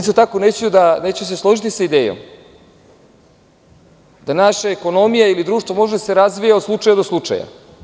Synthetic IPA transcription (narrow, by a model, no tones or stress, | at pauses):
ist̪ot̪akonet͡ɕejud̪aneːt͡ɕejuseslˠo̞ʒit̪isaid̪eːjo̰m | d̪anaʃaeko̞no̞mijailid̪ɾuːʃt̪vʋomo̞ʒed̪aseɾazʋijaod̪slˠut͡ʃajad̪oslˠut͡ʂa̰ja̰